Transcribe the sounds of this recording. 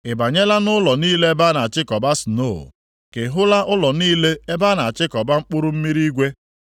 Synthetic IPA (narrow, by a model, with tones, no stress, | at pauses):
ɪ˨ba˨ɲe˦la˦nʊ˦lɔ˨niː˦le˦e˦ba˦na˨a˨t͡ʃɪ˦kɔ˨ba˦sno̰˦˨ | ke˨ɦʊ˦la˦ʔʊ˦lɔ˨niː˦le˦e˦ba˦na˨t͡ʃɪ˦kɔ˨ba˦ŋ͡m̩˦k͡pʊ˦ɾʊ˦m̩˦mi˦ɾi˦ɡʷe˦